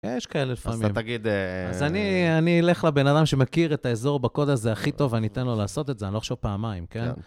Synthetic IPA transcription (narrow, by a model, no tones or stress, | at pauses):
jeʃkaelelifammt̪aɡid̪a̰zanianiːle̞χlebe̞nad̪amʃe̞makiʁet̪aezo̞ʁbako̞d̪azeaχit̪o̞vanit̪enlo̞laːso̞t̪etzeanilo̞χaʃevpaːmaimke̞n